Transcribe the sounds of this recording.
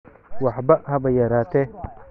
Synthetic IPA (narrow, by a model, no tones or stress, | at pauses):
wɑħbɐhɐbɐjɐɾaːt̪ɛ